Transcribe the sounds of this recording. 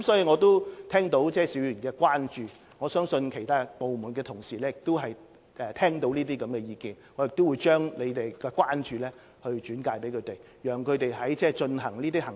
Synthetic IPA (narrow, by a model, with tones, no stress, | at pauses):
msɔː˨˥jiː˧ŋɔː˨˧t̪o˥wt̪ʰɛː˥ŋt̪o˨˥wt͡sɛː˥˩si˨˥wjyː˨˩nkɛː˧kwaː˥nt͡ʃyː˨˧ | ŋɔː˨˧sœː˥ŋsɵ˧nkʰe˨˩jt̪ʰaː˥po˨wmuː˨˩nkɛː˧t̪ʰʊ˨˩ŋsiː˨˩lɛː˥jɪ˨k̚t̪o˥ɦɐ˨j | ʔɛː˨˩t̪ʰɛː˥ŋt̪o˨˥wniː˥t̪iː˥kɐ˨˥mkɛː˧jiː˨˧kiː˨nŋɔː˨˧jɪ˨k̚t̪o˥wu˨˧jt͡ʃœː˥ŋle˨˧t̪e˨jkɛː˧kwaː˥nt͡ʃyː˧lɛː˥ | hɵ˧ɥt͡ʃyː˨˥nkaː˧jpe˨˥jkʰɵ˨˧t̪e˨j | jœː˨˩ŋkʰɵ˨˧ɥt̪e˨jɦɐ˨˥jt͡sɛː˥˩t͡ʃɵ˧nɦɐ˨˩ŋliː˥t̪̬iː˥ɦɐ˨˩ŋ